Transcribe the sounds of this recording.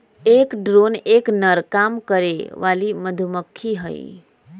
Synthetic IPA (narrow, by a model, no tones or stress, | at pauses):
ekɖɾoneknəɾkamkəɾeʋaliməd̪ʱuməkʰːiɦə̰ḭ